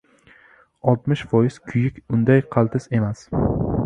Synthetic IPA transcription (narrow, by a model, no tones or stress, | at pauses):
ɒlˠt̪mɪʃfɒjɪz̥kʲʰʊjɪkʲʊnd̪ajqʰɑlˠt̪ʰɪse̞mas